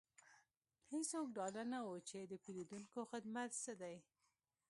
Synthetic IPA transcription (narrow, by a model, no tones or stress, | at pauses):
hesok̚ɖɑlanawot͡ʃed̪əpiɾid̪unkoxɪd̪mat̪səd̪aj